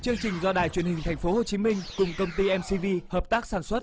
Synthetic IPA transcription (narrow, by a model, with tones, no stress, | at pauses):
t͡ɕɨ˧əŋt͡ɕï˨˩ŋ̟zɔ˧ɗa̰ː˨˩jt͡ɕwi˧˩ənhï˨˩ŋ̟t̪ʰjŋ̟fo˨˦ho˨˩t͡ɕi˨˦mï˧ŋ̟kʊ˨˩ŋ͡mkə˧wŋ͡mt̪i˧ʔɛ˧msi˧vi˧həː˨˩p̚t̪aː˦˥k̚saː˧˩nswə˦˥t̚